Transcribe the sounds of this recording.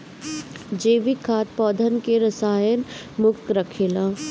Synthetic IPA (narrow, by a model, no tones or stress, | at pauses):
d͡ʒeːʋikʰːaːt̪̚pɔːd̪ʱənkeɾəsaːjən | mʊkt̪ɾəkʰeːlãː